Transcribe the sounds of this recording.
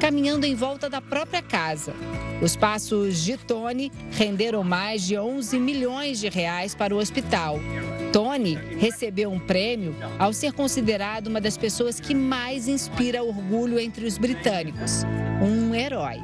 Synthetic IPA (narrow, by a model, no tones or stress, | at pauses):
kamĩɲɐ̃nd̪ʊẽj̃vɔwt̪ɐd̪ɐpɾɔpɾiɐkazɐ̰ʊspasʊzd͡ʒɪt̪õniʁẽnd̪eɾɐ̃w̃majzd͡ʒɪõw̃zɪmiʎõj̃zd͡ʒɪɦeajspaɾʊospit̪awt̪õnihesebewũpɾẽmiʊawseɾkõsid̪eɾad̪ɐũmɐd̪ɐspesoɐskɪmajzĩspiɾɐuoɾɡuʎʊẽnt̪ɾɪʊzbɾit̪ɐ̃nikʊsũeɾɔj